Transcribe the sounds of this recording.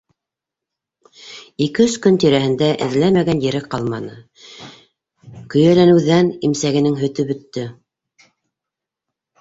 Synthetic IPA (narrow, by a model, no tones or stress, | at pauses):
ikɘɵskɵnt̪iɾæhɘ̆nd̪æʔɘ̆ðlæmæɡænjɘ̆ɾɘqɑlˠmɑnɤ | kɵ̆jælænɘ̆wðænimsæɡɘ̆nɘŋɦɵ̆t̪ɵbɵ̆t̪ːɵ